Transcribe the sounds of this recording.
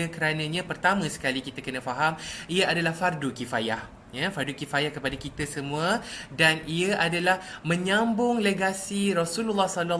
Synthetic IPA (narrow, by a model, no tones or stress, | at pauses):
akəɾanãɲãpərt̪amãsə̥kalikit̪akənãfaɦamiaʔadalahfardukifajah | jafardukifajahkəpadakit̪asəmũadaniaʔadalahmə̃ɲãmbʊŋleɡasiɾɔsululːahsɔla